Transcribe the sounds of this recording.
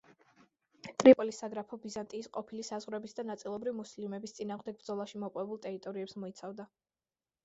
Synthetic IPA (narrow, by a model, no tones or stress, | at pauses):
t̪ʼɾipʼɔlisaɡɾapʰɔbizant̪ʼiːsqʼɔpʰilisazʁɾɛbisd̪anat̪sʼilˠɔbɾivimuslimɛbist̪sʼinaːʁmd̪ɛɡ̚bɾd̪zɔlˠaʃimɔqʼwɛbulˠt̪ʼɛɾit̪ʼɔɾiɛpsmɔit̪sʰavd̪a